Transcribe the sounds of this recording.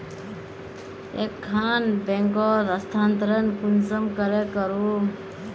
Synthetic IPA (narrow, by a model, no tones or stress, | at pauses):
ekʰːanbeŋkɔɾəst̪ʰaːnt̪əɾənkunsəmkəɾekəɾu